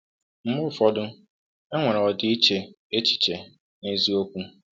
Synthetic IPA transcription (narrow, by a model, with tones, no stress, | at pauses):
m̩˦mʊ˦˨fɔ˨dʊ˦ | e˦ŋʷe˨ɾɔ˨dɪ˨˦i˦t͡ʃe˨ | e˦t͡ʃi̥˨t͡ʃe˨ | ne˦zi˦o˦kʷu˦